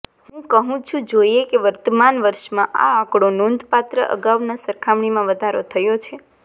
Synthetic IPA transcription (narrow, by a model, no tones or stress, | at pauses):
ɦũkəɦũt͡ʃʰũd͡ʒoiekeʋəɾt̪əmanʋəɾʃmãʔa̰akɽonond̪pat̪ɾəʔə̰ɡaʋnasəɾkʰamɳ̃imãʋəd̪ʱaɾot̪ʰəjot͡ʃʰe